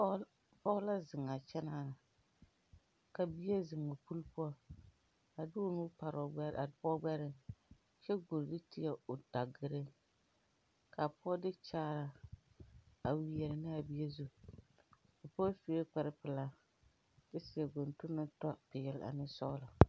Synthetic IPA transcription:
pɔ˦ʊ˦la˦zɪ˨ŋa˨t͡ʃɛ˦naː˦˨na˨ | ka˨bi˦e˦zɪ˨ŋɔ˨pu˦lpu˦ɔ˦ | a˨dʊ˦nuː˦pa˨ɾɔ˨˦˨pɔ˦ɡ͡bɛ˦ɾɪ˦ŋ | t͡ʃɛ˦ɡo˨ɾdɪ˦tɪ˨ɛ˦˨ʊ˨da˨ɡɪ˨ɾɪ˦ŋ | kʰa˨pʊ˦ɔ˦dɪ˦t͡ʃaː˦ɾa˨ | a˨wi˨jɛ˨ɾɪ˨nɪ˦a˨bi˦e˦zu˦ | ʊ˨pːfi˦e˦k͡pɛ˨ɾɪ˦pɪ˨la˦ | bɪ˦sɪ˨ɛ˨ɡo˨ntʊ˦nːɪ˦tɔ˦pɪ˨ɛ˨lʔa̰˨nɪ˦sɔ̰˦la˨

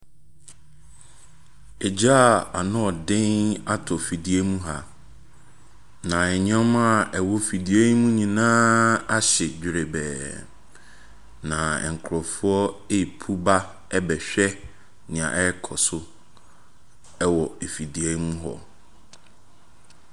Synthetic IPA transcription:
e˨d͡ʑa˦˨a˨nʊ̃˦ɔ˨dɪ̃˦ŋa˦tʰɔ˨fi˨di˨˦e˦mũ˦ɦa˨ | nã˨ɛ˨ɲ˦ã˦m˦a˦˨ɛ˨wɔ˦fi˨di˨e˦mũ˦ɲĩ˨nãː˦a˦ɕɪ˨d͡ʑᶣɪ˨ɾe˨bɛ̰ː˨ | nã˨ɛ̰˨ŋ̩˨kʰɾɔ˨fu˦ɔ˦e˦i˨pʰu˦ba˦ | ɛ˦bɛ˨ɕᶣɛ˦ | nɪ̃˨ã̰˨ʔɛ˦kʰɔ˨sʊ˦ | ɛ˦wɔ˨e˨fi˨di˨ɛ˦mũ˦ɦɔ̰˨

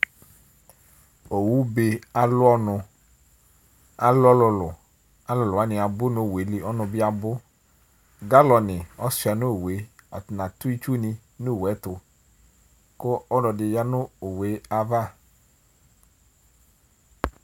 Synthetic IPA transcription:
o˨wu˦be˨a˨lʊ˦ɔ˦nʊ̃˨ | a˨lɔ˦lʊ˨lʊ˨ | a˦lʊ˨lʊ˨a˦nɪ̃˨a˨bʊ˦nʊ˦˨we˨˦lɪ˨ɔ˦nʊ̃˨bɪ˦a˨bʊ˦ | ɡa˦lɔ˨nɪ˨ɔ˦sʊ˨a˨nʊ̃˦o˨we˨˦a̰˨tʊ˨nã˨t̪ʊ˦i˦t͡ʃu˦nɪ̃˦ | nʊ˦˨wɛ˨˦tʊ˨ | kʊ˦ɔ˦ɖɔ˨dɪ˨ja˦nʊ̃˦o˨we˨˦a˨va˦˨

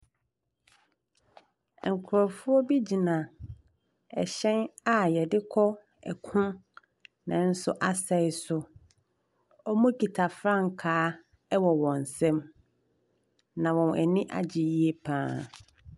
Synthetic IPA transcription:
ŋ̩˨kʰʊ˨ɾɔ˨fʊ˦ɔ˦bi˦d͡ʑi˨nã˨ | ɛ̰˨ɕɛ̃˦na˨jɛ˨dɪ˦kʰɔ˦ | ɛ̰˨kʰʊ̃˦ | nã˨n̩˦sʊ˦ʔa˦sɛ˨ɪ˨sʊ˦ | ɔ˦mũ˦ki˨tʰa˨fɾã˦ŋ˨kʰaː˨˦ | ɛ˦wɔ˨wɔ̃˨n̩˨sɛ̃˦m | nã˨wɔ̃˨nɛ̰˨nɪ̃˦ʔa̰˨d͡ʑɪ˨ji˦e˦pʰãː˦

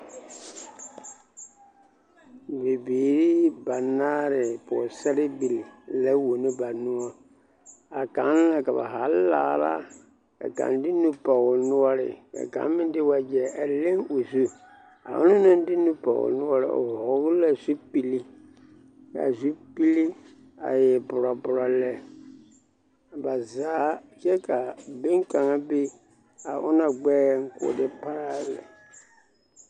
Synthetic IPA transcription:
be˨beː˨ɾi˦ba˨naː˦ɾɪ˨pɔ̰˨sɛ˦ɾɪ˦bi˨li˨lɛ˦wo˨ni˦ba˨nũ˦ɔ˦ | a˨ka˨˦n˦la˨ka˨ba̰˨ɦa˨˦la̰ː˨ɾa̰˦ | a̰˨ka̰˨n˦di˦nu˦pɔ˨ɣʊ˨nu˦ɔ˦ɾɪ̰˨ka̰˨ka̰˨˦m˦mɪ̃˦n˦dɪ˦wa˨d͡ʒɛ˨ʔa˨le˦ŋu˨zu˦ | a̰˨ʔʊ̰˦nʊ̃˦nʊ̃˦n˦dɪ˦nũ˦pɔ̰˨wʊ̰˨nʊ̃˦ɔ˦ɾɪ̰˨ɔ̰˨vɔ˨ɣlɛ˨zu˦pi˨li˦ | ka̰˨zu˦pi˦li˦ | a̰˨jɛ˨bʊ˨ɾɔ˨bʊ˨ɾɔ˨lɛ˨ | a˨ba˨zaː˦˨kɛ˦ka˨be˦ŋ˦ka˨ŋã˦bɪ˦ | a˨ʔʊ̰˦nã˨ɡ͡bɛː˦ŋ̩˦kʊ̰˨dɪ˦pa˦˨lɛ̰˨

